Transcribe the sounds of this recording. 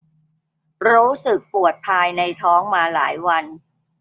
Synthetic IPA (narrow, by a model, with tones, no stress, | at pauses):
ɾuː˦˥sɯ˨˩k̚pu˨˩ət̪̚pʰaː˧jna˧jt̪ʰɔː˦˥ŋmaː˧la̰ː˩˦jwa˧n